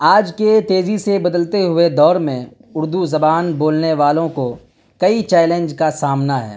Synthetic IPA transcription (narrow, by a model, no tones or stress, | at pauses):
aːd͡ʒket̪eːzisebɐd̪əlt̪eɦʊed̪ɔːɾmẽ | ʊɾd̪uzɐbaːnboːlneʋaːlõko | kɐit͡ʃɛːlẽnd͡ʒkasaːmnaɦɛ̰ː